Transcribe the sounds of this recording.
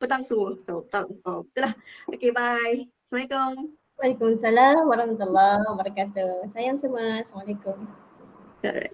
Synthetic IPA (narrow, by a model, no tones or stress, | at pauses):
pət̪aŋsumusapt̪aŋobit̪ulahokebaj | samaikom | walikumsalamwaɾɑhmat̪ulːɑwabaɾakat̪usajaŋsumaslamalakʊm | a̰